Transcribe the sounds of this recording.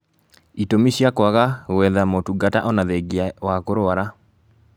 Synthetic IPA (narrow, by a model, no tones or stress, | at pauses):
itomiɕijakwaɣaɣwɛðamotuɡataʔɔnaðɛɡiawakoɾoaɾa